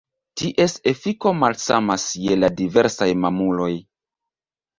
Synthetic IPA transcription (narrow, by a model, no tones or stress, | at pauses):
tiʔe̞se̞fiko̞malsa̰masje̞ladive̞ɾsajmamulo̞j